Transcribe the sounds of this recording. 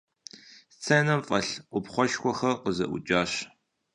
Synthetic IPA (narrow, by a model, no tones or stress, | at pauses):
t͡sʰɐjnɐmfʼɐɬʔʷʊpχʷɔʃkʷɔxɐrqəzɐ̰ʔʷʊ̰t͡ʃʼaːɕ